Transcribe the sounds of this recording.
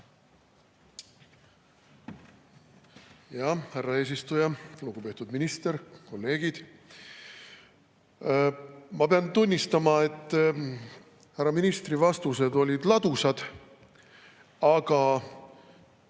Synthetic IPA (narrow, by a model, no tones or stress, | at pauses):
jɑhærːɑe̞ːs̬ist̪ujɑluɡ̥upe̞t̪ud̪minist̪e̞ɾko̞lːe̞ːɡ̥id̪̥ | mɑpeɑnt̪unʲːist̪ɑmɑe̞t̪ːˑ | hærːɑminist̪rivɑst̪use̞d̪o̞lʲid̪̥lɑd̪usɑd̪̥ | ɑɡ̥ɑ